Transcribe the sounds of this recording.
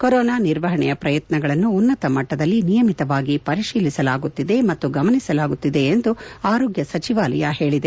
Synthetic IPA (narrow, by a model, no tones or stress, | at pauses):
koɾɔːnaːniɾʋɐɦɐɳɛjɐpɾɐjɐt̪nɐɡɐɭɐnːuːnːɐt̪ɐmɐʈːɐd̪ɐlːinijɐmit̪ɐʋaːɡipɐɾiʂiːlisɐlaːɡut̪ːid̪e̞mɐt̪ːuɡɐmɐnisɐlaːɡut̪ːid̪e̞ːnd̪uaːɾoːɡjɐsɐt͡ʃiʋaːlɐ̰jɐhe̞ːɭid̪e̞